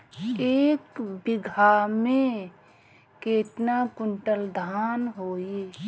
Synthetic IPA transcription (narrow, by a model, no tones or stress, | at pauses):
eːkbɪɡʱamẽ | keːt̪nakʊɳʈəld̪ʱaːnɦoːi